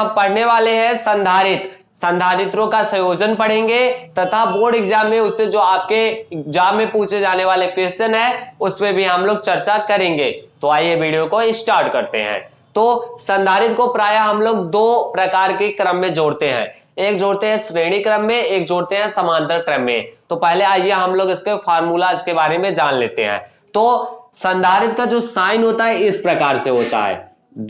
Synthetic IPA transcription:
pɐɽ̤neʋaːleɦɛ̃sɐ̃nd̪ʱaːɾɪt̪ | sɐ̃nd̪ʱaːɾɪt̪ɾõkasɐ̃joːd͡ʒənpɐɽ̤ẽːŋɡet̪ɐt̪ʰaboːɾɖɪɡd͡ʒaːmːẽʊsːed͡ʒoːaːp̚keɪkd͡ʒaːmːẽpuːt͡ʃʰed͡ʒaːneʋaːlekweːsʈənɦɛʊsmẽbʱiɦɐmloːɡ̚t͡ʃɐɾt͡ʃakɐɾẽːŋɡḛːt̪oaːieʋiːɖijokoɪ̃sʈaːɾʈkɐɾt̪ḛɦɛ̰̃ː | t̪oːsɐ̃nd̪ʱaːɾɪt̪kopɾaːjaɦɐmloːɡ̚d̪oːpɾɐkaːɾkekɾəmːẽd͡ʒoːɽt̪eɦɛ̰̃ː | eːkd͡ʒoːɽt̪eɦɛ̃sɾeːɽ̃ikɾəmːẽeːk̚d͡ʒoːɽt̪eɦɛ̃sɐmãːnd̪əɾʈɾɛmːḛ̃t̪opɛɦleaːjeɦɐmloːɡɪskefʰaːɾmuːlaːd͡ʒkebaːɾemẽd͡ʒaːnleːt̪eɦɛ̰̃ː | t̪oːsɐ̃nd̪ʱaːɾɪt̪̚kad͡ʒoːsaːɪnɦoːt̪aɦɛɪspɾɐkaːɾseɦoːt̪a̰ɦɛ̰ː

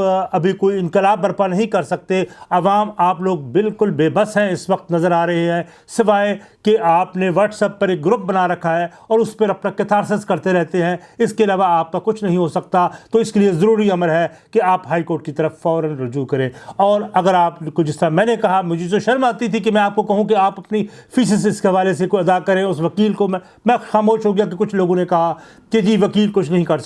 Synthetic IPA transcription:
ɐbʱikoːiɪ̃nqɪlaːbːɐɾpanɐɦĩkɐɾsɐk̚t̪eɐʋaːmaːploːɡ̚bɪlkʊlbeːbɐsɦɛ̃ɪsʋɐq̚t̪nɐzəɾaːɾɐɦeɦɛ̃ | sɪʋaːekeʔaːpneʋɐːʈsɛpːɐɾeːk̚ɡɾʊp̚bɐnaɾɐkʰːaɦɛ | ɔːɾʊspɐɾɐpnakɪt̪ʰaːɾs̬əzkɐɾt̪eɾɛɦt̪eɦɛ̃ɪskeɐlaːʋaaːp̚kakʊt͡ʃʰnɐɦĩɦosɐk̚t̪at̪oɪskeliezɐɾuːɾiɐməlɦɛ | keaːpɦaːikoːɾʈ̚kit̪ɐɾəfːɔːɾə̃nɾʊd͡ʒuːkɐɾẽːɔːɾɐɡəɾaːpkod͡ʒɪst̪əɾamɛ̃ːnekɐɦamʊd͡ʒʱed͡ʒoʃɐɾmaːt̪it̪ʰikemɛ̃aːp̚kokɐɦũkeaːpɐpnifiːs̬ɪsɪskeɦɐʋaːles̬ekoɐd̪akɐɾẽʊsʋɐkiːlkomɛ̃ | mɛ̃ːxaːmoːʃɦoɡɪjak̬ekʊt͡ʃʰloːɡõnekɐɦa | ked͡ʒiːʋɐkiːlkʊt͡ʃʰnɐɦĩkɐɾs

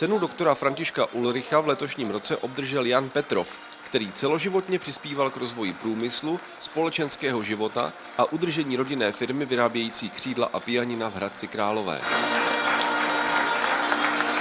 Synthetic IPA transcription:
t͡sɛnudo̞kt̪o̞ɾafɾaɲcɪʃkaʔulɾɪxavlɛt̪o̞ʃɲiːmɾo̞t͡sɛʔo̞b̚d̪r̩ʒɛljanpɛt̪ɾo̞̰f | kt̪ɛɾiːt͡sɛlo̞ʒɪvo̞t̪ɲɛpr̥ɪspiːvalkɾo̞zvo̞jɪpɾuːmɪslu | spo̞lɛt͡ʃɛnskɛːɦo̞ʒɪvo̞t̪a̰ | ʔaʔud̪r̩ʒɛɲiːɾo̞ɟɪnɛːfɪɾmɪvɪɾaːbjɛjiːt͡siːkr̝̥iːdla̰ʔapɪjaɲɪnavɦɾat̪̚t͡sɪkɾaːlo̞vɛ̰ː

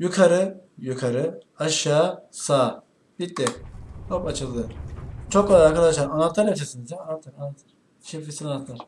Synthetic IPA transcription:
jukʰaɾɯjukʰaɾɯ | aʃjaːsaː | b̥it̪̚d̪ɛhopat͡ʃʰɯlˠɯɯɾt͡ʃʰok̚ːalˠaɾaɾkʰalaʃaɾanːˠat̪ʰːˠaɾat͡ʃʰasinizjaanːat̪ʰːaɾanːat̪ʰɯɾ̥ | ʃefisinanːat̪lˠaɾ

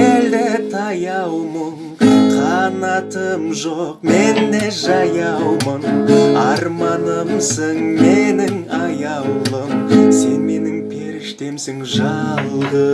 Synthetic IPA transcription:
æld̪ɪt̪ʰɑjɑwmən | qʰɑnɑt̪əmʒoqme̞nd̪e̞ʒɑjɑwməɴɑɾmɑnəmsəŋmenɪŋɑjɑwlˠəmse̞nme̞nɪŋpʰe̞ɾɪʃt̪e̞msɪŋʒɑlˠə

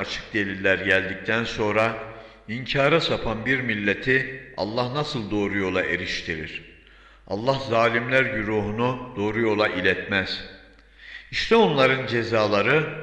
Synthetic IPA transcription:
at͡ʃʰɯ̥k̚d̪e̞lʲilʲːæɾɟælʲd̪ic̚t̪ʰænso̞nɾa | iɲcʰaːɾasapʰanbiɾmilʲːet̪ʰiɑ̰lˠːahnasɯlˠd̪o̞ːɾujo̞lˠaʔe̞ɾiʃt̪ʰiɾḭɾ̥ | ɑ̰lˠːahzaːlʲimlʲæɾɟyɾuːɦunud̪̥o̞ːɾujo̞lˠaʔilʲɛt̪mæz̥ | iʃt̪ʰɛo̞nlˠaɾɯnd͡ʒe̞zaːlˠaɾɯ

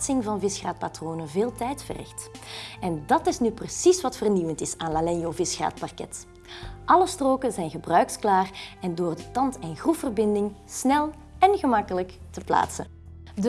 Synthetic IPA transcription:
tsɪŋvɑnvɪsxraːt̚patroːnəveːlˠtɛjtfə̰rɪ̰xtɛndɑtɪsnyprəsisʋɑtfərniʋəntɪsaːnlalɛnjoːvɪsxra̰ːtpɑrkɛ̰t | ʔɑləstroːkəzɛjnɣəbrœɥksklaːrɛndoːrdətɑntɛnɣruffərbɪndɪŋsnɛlˠ | ɛnɣəmɑkələktəpla̰ːtsə̰ | d

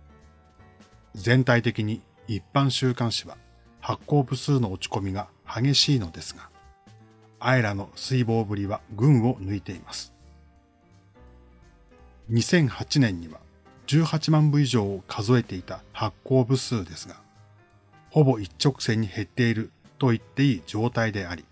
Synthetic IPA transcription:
zẽ̞nt̪ait̪e̞kʲiɲ̟iː | pːãɰ̃ɕɨːkãɰ̃ɕiβa | hakːo̞ːbɯ̟sɨːno̞ːt͡ɕi̥ko̞mʲiɡa | haɡe̞ɕiːno̞d̪e̞sɨ̥ɡa | ae̞ɾano̞sɨibo̞ːbɯ̟ɾʲiβaɡɯ̟̃ɰ̃o̞nɯ̟it̪e̞imasɨ̥ | ɲ̟isẽ̞ɰ̃hat͡ɕinẽ̞ɲ̟ːiβa | d͡ʑɨːhat͡ɕimãmbɯ̟iʑo̞ːkʰazo̞e̞t̪e̞it̪ahakːo̞ːbɯ̟sɨːd̪e̞sɨɡa | ho̞bo̞it͡ɕt͡ɕːo̞kɯ̟̥se̞ɲ̟ːihe̞t̪ːe̞iɾɯ̟ | t̪o̞it̪ːe̞iːd͡ʑo̞ːt̪aid̪e̞aɾʲi

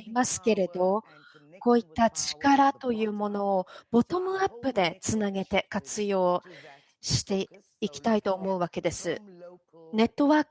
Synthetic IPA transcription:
imasɨ̥ke̞ɾe̞d̪o̞ | ko̞ːit̪ːat͡ɕi̥kaɾat̪o̞jɯ̟ːmo̞no̞ːb̥o̞t̪o̞mɯ̟apːɯ̟d̪e̞t͡sɨnaɡe̞t̪e̞kat͡sɨjo̞ː | ɕi̥t̪e̞ | ikʲi̥t̪ait̪o̞ːmo̞ɯ̟βake̞d̪e̞sɨ | ne̞t̪ːo̞βaːk

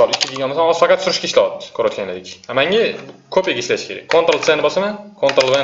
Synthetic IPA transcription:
mɪsɒlˠɪkʲːɪkʲʰeɡʲanmasanɒz̥fɑqɑt̪sʊɾɪʃkʲaɪʃlawɒt̪ːɪ̥kʲʰɵɾat̪kʲʰanlad̪ɪkʲamaŋʲakʰɵpeɡʲaɪʃlaʃɪ̥kʰʲe̞ɾa̰k̚ʲkʰːont̪ɾolˠt̪enɪbɒsamankʰont̪ɾolˠv

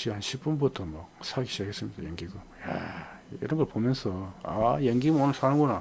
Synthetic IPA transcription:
ɕʰiɦanɕʰip͈unbutʰʌmʌsʰaɡiɕʰiaɡes͈ɯmintʰʌ̰jʌŋɡiɡo | ja̰ | ḭɾʌnɡʌɭpomjʌnsʰʌajʌŋɡimɯnonɯɭsanɯŋɡona

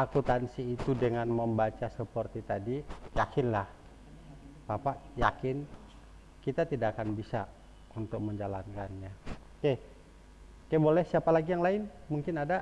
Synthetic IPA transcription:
ʔakut̪ansiːt̪udəŋanməmbat͡ʃasəpərt̪it̪adijakɪnlah | bapaʔjakɪn | kit̪at̪idaʔkanbisa | unt̪ʊk̚məɲd͡ʒalankanɲa | ke | kajbolɛhsiapalaɡijaŋlaɪn | muŋkɪnada

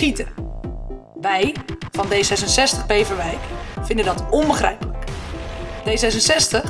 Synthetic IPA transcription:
itər | ʋɛjfɔndeːsɛsənsɛstəχpeːvəʋɛjkfɪndədɔtɔnbəxrɛ̰jpələk | d̥eːsɛsənsɛstə

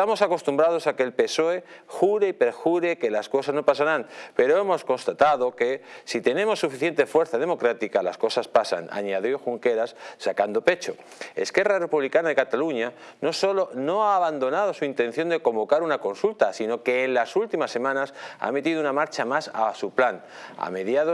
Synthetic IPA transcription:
t̪amo̞sako̞st̪umbɾað̞o̞sakeːlpe̞so̞e̞ | xuɾeipe̞ɾxuɾe̞ke̞lasko̞sazno̞pasaɾanpe̞ɾo̞e̞mo̞sko̞nst̪at̪aðo̞ke̞sit̪e̞nemo̞sːufiθje̞nt̪e̞fwe̞ɾθað̞e̞mo̞kɾat̪ikala̰sko̞saspasa̰na̰ɲaðjoxuŋke̞ɾasːakand̪o̞pe̞t͡ʃo̞ | e̞̰ske̞rare̞puβlikanaðe̞kat̪aluɲa | no̞so̞lo̞no̞aːβand̪o̞nað̞o̞suint̪e̞n̟θjo̞nd̪e̞ko̞mbo̞kaɾunako̞nsult̪asino̞ke̞ːnlasult̪imasːe̞mãnasa̰me̞t̪iðunamaɾt͡ʃamasasuplan | a̰me̞ðjaðo

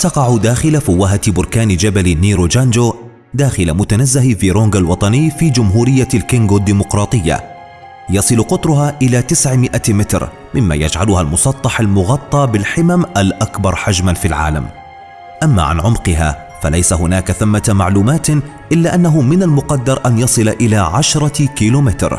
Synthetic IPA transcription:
t̪ɑqɑʕʊd̪aːxɪlafʊwːaɦat̪bʊɾkaːnd͡ʒabalniːɾod͡ʒand͡ʒoː | d̪aːxɪlamʊt̪anazːahviːɾoːŋɡalwɑt̪ˤɑnɪjːfiːd͡ʒʊmɦuːɾɪjːalkɪŋɡoːd̪iːmʊqɾˤɑːt̪ˤɨjːa̰ | jɑsˤɨlqʊt̪ˤɾʊɦaːʔɪlaːt̪ɪsʕmɪʔamɪt̪ɾ | mɪmːa̰ja̰d͡ʒʕalʊhalmʊsˤɑt̪ˤːɑħalmʊɣɑt̪ˤːɑːbɪlħɪmamʔalʔakbɑɾˤħad͡ʒmanfilʕa̰ːla̰m | ʔamːa̰ʕa̰nʕʊmqɨɦa̰ː | fa̰lajsaɦʊnaːkaθamːamaʕluːmaːt̪ | ʔɪlːaːʔanːaɦʊmɪnalmʊqɑd̪ːɑɾˤʔanjɑsˤɨlʔɪlaːʕaʃɾˤɑkiːloːmɪt̪ɾ

